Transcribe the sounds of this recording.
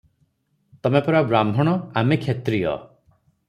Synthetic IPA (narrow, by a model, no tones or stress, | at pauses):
t̪ɔmepɔɾabɾambʱɔɽ̃ɔamekʰet̪ɾijɔ̰